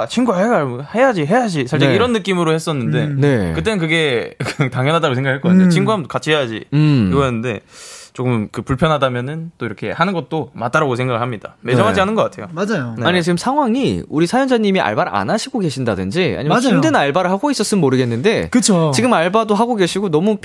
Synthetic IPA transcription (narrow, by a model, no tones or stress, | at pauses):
t͡ɕʰiŋɡuaeɡhe̞jad͡ʑiɦe̞jad͡ʑisʰaɭd͡ʑeiɾʌnːɯk͈imɯɾohe̞s͈ʌnːɯnde̞ekɯt͈e̞nɯnk̬ɯɡe̞ktaŋjʌnɦadaɡos̬ʰeŋɡakʰaɭk͈ʌkattʰeot͡ɕʰiŋɡuɦamɯokat͡ɕʰihejad͡ʑḭkɯɡʌɦenːɯnde̞̰t͡ɕok͈ɯmmkɯpuɭpʰjʌnɦadamjʌnɯnt͈oiɾʌkʰe̞̰hanɯnɡʌt̚t͈omat͈aɾaɡosʰe̞ŋɡaɡɯɭɦhamɲida̰med͡ʑʌmɦad͡ʑiɦanɯnɡʌk͈atʰe̞jomad͡ʑajoaɲiet͡ɕiɡɯmsʰaŋwaŋiuɾisʰajʌnd͡ʑaɲimiʔa̰ɭbaɾa̰naɕʰiɡoɡe̞ɕʰindadɯnd͡ʑia̰ɲijʌd͡ʑindɯnaɭbaɾɯɭhaɡois͈ʌs͈ɯmmoɾɯɡe̞nːɯnde̞kɯt͡ɕʰot͡ɕiɡɯmaɭbadoɦaɡoɡe̞ɕʰiɡonʌmu